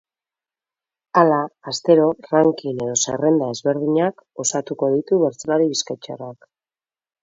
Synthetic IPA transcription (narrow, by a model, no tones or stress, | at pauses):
alaːst̪e̞ɾo̞raŋkine̞ðo̞sḛre̞nd̪ae̞zβe̞ɾðiɲako̞sat̪uko̞ð̞it̪uβe̞ɾt͡solaɾiβiskajt͡ʃḛrak